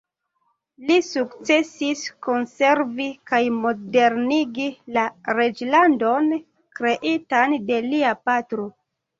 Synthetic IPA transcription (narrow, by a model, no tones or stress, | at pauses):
lisukt͡se̞siskonse̞ɾvikajmode̞ɾniɡilaɾed͡ʒlando̞n | kɾe̞ʔitande̞liapatɾo̞